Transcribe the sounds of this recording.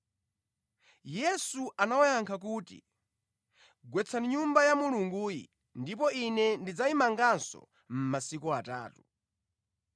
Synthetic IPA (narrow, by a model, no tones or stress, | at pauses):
jɛsuʔanawajaŋkʰak̬uːtḭ | ɡwɛt͡sʰaniɲumbajamuluŋɡuːjḭ | ndip̬ɔinɛndid͡zaimaŋɡansɔ̰ | m̩masikuata̰ːtu